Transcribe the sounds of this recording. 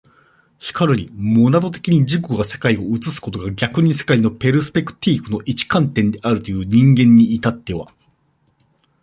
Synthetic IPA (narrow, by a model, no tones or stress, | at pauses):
çi̥kʰaɾɯ̟ɲ̟imo̞nat̪o̞t̪e̞kʲiɲ̟id͡ʑiko̞ɡase̞kaio̞ɯ̟t͡sɨsɨ̥ko̞t̪o̞ɡaɡʲakɯ̟ɲ̟ise̞̥kaino̞pe̞ɾɯ̟sɨ̥pe̞kɯ̟̥t̪ʲiːkɯ̟no̞ʔit͡ɕi̥kãnt̪ẽ̞nd̪e̞ʔaɾɯ̟t̪o̞jɯ̟ːɲ̟ĩŋɡẽ̞ɲ̟ːiːt̪at̪ːe̞β̞a̰